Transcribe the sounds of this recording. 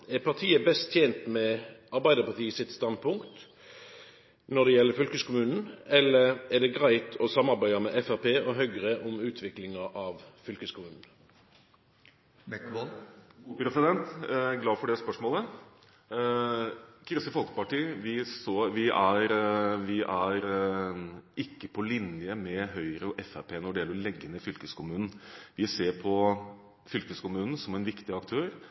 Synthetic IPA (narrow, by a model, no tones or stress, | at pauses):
æɾpʰɑʁʈ̪ʰiːəbɛst̪ʰjeːnt̪mɛʔɑɾbæɪd̪əpɑʁt̪ʰiːsɪt̪st̪ɑnd̪̚pʰʊŋkt̪ | nɔɖ̪ɛjɛlːəɾfʏlkəskʰʊmʉːnn̩ɛlːəɾæɖ̪ɛɡʁæɪt̪ʰɔsɑmːɑɾbæɪɑmɛʔɛfæɾpeːʔɔɦœʏɾəʔɔmʉːt̪ʰʋɪklɪŋɑʔɑʋfʏlkəskʰʊmʉːnn̩ | pɾɛsɪd̪ɛnt̪ɡlɑːfɔɖɛspœʂmoːlə | kʰɾʏsəfɔlkə̥pɑʈiːʋɪsoʋɪʔæɾʋɪʔæɾ | ʔɪkːəpʰɔlɪnjəmɛɦœʏəɾəɔʔɛfæpʰeːnɔɖɛjɛlːəɭɛɡːənəfʏlkəskʰʊmʉːnn̩ʋɪseːɾpʰɔ | fʏlkəskʰʊmʉːnn̩sɔmɛnʋɪkt̪ɪɑkt̪ʰøːɾ